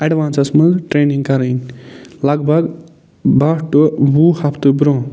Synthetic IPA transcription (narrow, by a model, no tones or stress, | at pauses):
ɐɖʋaːnsɐsmɐ̃nzʈɾeːniŋɡkɐɾɐnʲlɐɡbʱɐɡ | bɐʈubuhɐpʰt̪ɨbɾõː